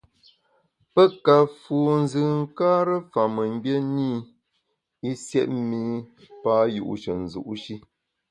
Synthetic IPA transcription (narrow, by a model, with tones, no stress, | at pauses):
pə˦ka˨fuː˨n̩˦zɨ˨ŋ̩˦kaː˦ɾə˦fa˨mə˨m̩˦bje˦niː˦ | i˦sjɛ̰˦ʔ̚mi˦ | pa˦jṵ˦˨ʔʃə˨n̩˨zṵ˨ʔʃi˦